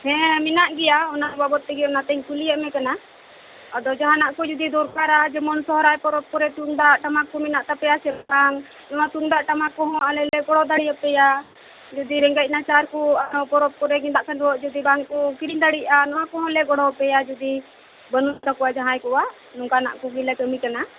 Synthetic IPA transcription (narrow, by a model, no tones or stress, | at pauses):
hɛ̃minaʔɡɛjaɔnababɔt̪ːɛɡɛɔnat̪ɛɲkuliəmɛkana | ɔd̪ɔd͡ʒaɦanaʔkɔd͡ʒud̪id̪ɔɾkaɾad͡ʒɛmɔnsɔɦɾajpɔɾɔp̚kɔɾɛt̪uŋɖaʔʈamakːɔminaʔt̪apɛjasɛbaŋ | nɔwat̪uŋɖaʔʈamakɔɦɔ̃alɛlɛɡɔɽɔd̪aɽijapɛja | d͡ʒɔd̪iɾɛŋɡac̚nat͡ʃaɾkɔaɾɔ̃pɔɾɔp̚kɔɾɛɡind̪aʔkanɔʔd͡ʒɔd̪ibaŋkɔkiɾiɲd̪aɽiʔanɔwakɔɦɔ̃lɛɡɔɽɔpɛjad͡ʒud̪i | bənud̪ɔkɔwad͡ʒaɦãjkɔwaʔ | nɔŋkana̰ʔkuɡilɛkəmikana